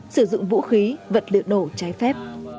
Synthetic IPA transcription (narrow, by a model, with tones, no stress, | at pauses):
sɨ˧˩zʊ̰˧˨ŋvṵ˧˥xi˨˦və̰˧˨˩t̚lɨ̰˨əno˧˩t͡ɕaː˨˦jfɛ˦˥p̚